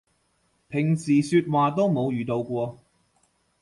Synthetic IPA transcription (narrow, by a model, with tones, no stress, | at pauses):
pʰɪ˨˩ŋsiː˨˩syː˧t̚waː˨˩t̪o˥wmo˨˧wjyː˨t̪o˧wkʷɔː˧